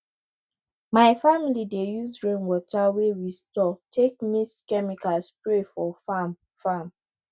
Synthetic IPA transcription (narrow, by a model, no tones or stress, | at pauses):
maɪfamilidejuzɹẽnwɔtawewistɔtʰek̚miskɛmikalspɹefɔfam | fam